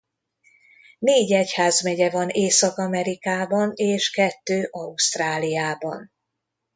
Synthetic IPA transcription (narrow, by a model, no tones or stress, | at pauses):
neːɟɛchaːzmɛɟɛvɒneːsɒkɒmɛɾikaːbɒneːʃkɛt̪ːøːʔɒuʃt̪raːlijaːbɒ̰n